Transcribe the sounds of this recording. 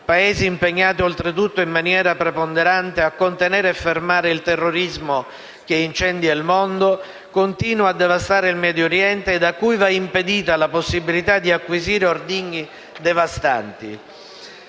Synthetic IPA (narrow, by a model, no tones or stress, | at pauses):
paeːziːmpeɲːaːt̪iolt̪ɾet̪̬ut̪ːoimmːanjɛːɾapɾepond̪eɾant̪eakːont̪enɛːɾeɛfːermaːɾeilt̪ɛrːoɾizmo | k̟eint͡ʃɛnd̪jailmond̪o | kont̪iːnwaad̪ːevast̪aːɾeilmɛːd̪joɾjɛnt̪eːd̪akːujvaimped̪iːt̪alaposːibilit̪ad̪ːiakːwiziːɾeord̪iɲːi | d̪evast̪a̰nt̪ḭ